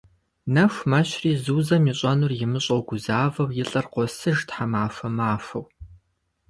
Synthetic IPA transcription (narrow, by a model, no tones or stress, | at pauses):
nɐfʷmɐɕriːzuːzɐmiːɕʼɐnuːrjɪmɨɕʼɐwɡʷʊzaːvɐwjɪɬʼɐrqʷɔsɨʒtħamaːfɐmaːfɐw